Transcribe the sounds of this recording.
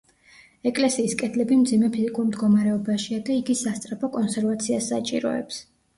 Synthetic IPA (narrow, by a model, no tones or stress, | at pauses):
ɛkʼlɛsiːskʼɛd̪ʰlɛbimd̪zimɛpʰizikʼuɾmd̪ɡɔmaɾɛɔbaʃiad̪aiɡisast̪sʼɾapʰɔkʼɔnsɛɾvat̪sʰiasːa̰t͡ʃʼḭɾɔ̰ɛ̰ps